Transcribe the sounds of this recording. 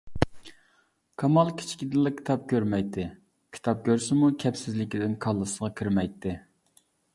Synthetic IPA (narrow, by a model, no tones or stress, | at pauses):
kʰɑmɑlˠkʲʰi̥t͡ʃʰkʲid̪ɪlˠɨkʲʰi̥t̪ʰɑp̚kʲʰøɾmɛjt̪ʰːɪ | kʲʰi̥t̪ʰɑp̚kʲʰøɾsɪmukʲʰɛpsɪzlɪkʲid̪ɪnkʰɑlˠːɨsʁɑkʲʰiɾmɛjt̪ʰːɪ